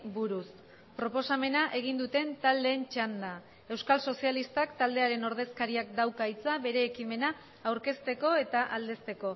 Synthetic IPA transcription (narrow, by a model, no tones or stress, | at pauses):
buɾus | pɾo̞po̞same̞naʔe̞ɣ̞ind̪ut̪e̞nt̪ald̪e̞ːnt͡ʃand̪a | e̞wskalso̞sialist̪akt̪ald̪e̞aɾe̞no̞ɾð̞e̞skaɾiakd̪awkajt͡saβe̞ɾe̞ːkime̞naː | wɾke̞st̪e̞ko̞e̞t̪aʔald̪e̞st̪e̞ko̞